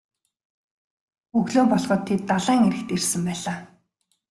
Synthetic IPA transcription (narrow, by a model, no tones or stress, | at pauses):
ɵɣɮoːpɔɮʁɞ̆t̪ʰːet̪ːaɮaːŋeɾɘ̆kt̪ersɘ̆mpæːɮaː